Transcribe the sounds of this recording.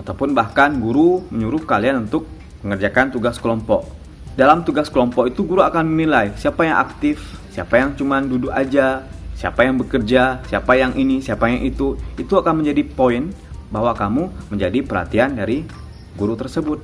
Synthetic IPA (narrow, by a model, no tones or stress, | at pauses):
at̪awpʊnbahkanɡuɾuməɲuɾʊhkalianunt̪ʊk̚ | məŋərd͡ʒakant̪uɡaskəlɔmpɔʔ | dalamt̪uɡaskəlɔmpɔkit̪uɡuɾuakanmnilajsiapajaŋʔa̰k̚t̪ɪfsiapajaŋt͡ʃumandudukad͡ʒa | sia̰pajaŋbəkərd͡ʒasiapajaŋʔinisiapajaŋʔit̪uit̪uakanməɲd͡ʒadipoin | baɦwakamuməɲd͡ʒadipəɾha̰t̪iandaɾi | ɡuɾut̪ərsəbʊt̪̚